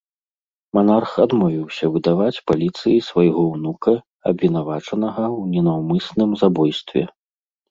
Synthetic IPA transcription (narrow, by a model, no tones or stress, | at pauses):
manarxad̪mɔvʲiwsʲɐvɨd̪avat͡sʲpalʲit̪sɨjisvajɣɔwnukɐ | ɐbvʲin̪avat͡ʂɐn̪ɐɣɐwnʲɛnawmɨsnɨmzabɔjst̪vʲɛ̰